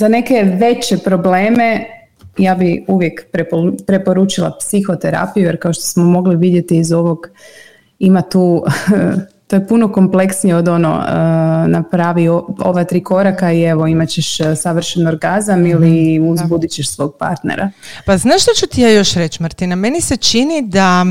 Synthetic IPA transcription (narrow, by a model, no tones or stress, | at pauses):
zane̞ke̞ʋe̞t͡ɕepɾo̞ble̞ːme̞ | jaːbiuʋjekpɾepopɾe̞po̞ɾut͡ʃilˠa̰psixo̞t̪eɾa̰pijujeɾkao̞ʃt̪o̥smomo̞ɡliʋid̪je̞t̪iːzo̞ʋo̞ɡ | imat̪uː | t̪ojepuno̞ko̞mple̞ksnijeod̪o̞no̰ | napɾaːʋioo̰ʋat̪ɾiːko̞ɾakaie̞ʋoimat͡ɕeʃsaʋr̩ʃenoɾɡazamiliuzbud̪it͡ɕeʃsʋo̞ːɡ̚pa̰ɾt̪nḛɾa̰paznaːʃt̪ot͡ʃut̪ijajo̞ʃɾe̞t͡ʃmɾt̪iname̞nise̞t͡ʃinid̪a